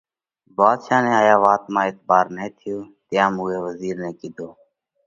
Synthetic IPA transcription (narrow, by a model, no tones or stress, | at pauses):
baːd̪ʃaːnẽːaːjãːʋaːt̪mãːɪt̪baːɾnẽːt̪ʰɪjoːt̪ɪjãːmuːeːʋəziːɾnẽːkiːd̪ʱoː